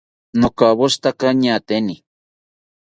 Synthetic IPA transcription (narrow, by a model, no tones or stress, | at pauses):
nokaβoʃt̪akaɲat̪eni